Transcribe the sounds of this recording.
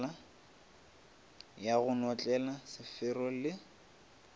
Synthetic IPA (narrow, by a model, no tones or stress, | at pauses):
la | jaɣʊnɔt͡ɬʼɛlasɪfɪrɔlɪ